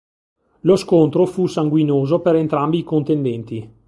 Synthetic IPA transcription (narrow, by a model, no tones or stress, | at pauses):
loskont̪ɾofusaŋɡwinoːzopeɾent̪ɾambiːkont̪end̪ɛnt̪i